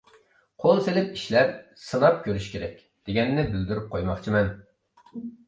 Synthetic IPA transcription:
qʰolˠselɪpiʃlɛp̚sɨnɑp̚kʲøɾyʃkʲeɾɛkʲ | d̪̥eɡʲɛnːɪbɪld̪yɾyp̚qʰojmɑχt͡ʃʰimɛn

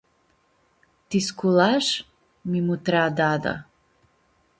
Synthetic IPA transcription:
t̪iskulaʂ | mimut̪ɾad̪ad̪a̰

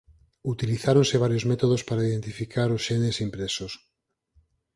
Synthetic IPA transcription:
ut̪iliθaɾõnseβ̞aɾjozmet̪oð̞ospaɾaiðent̪ifikʰaɾosʃenesimpɾesos

